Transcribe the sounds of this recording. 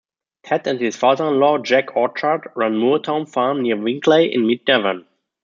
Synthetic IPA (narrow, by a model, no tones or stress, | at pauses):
kʰɛtæ̃nt̚hɪsfaːðə̃˞nlɔːd͡ʒækʰɔt͡ʃadɹãnmutʰãʊ̃nfamniɐvɪ̃ŋkʰleɪʔɪ̰̃nmɪd̚nɛvən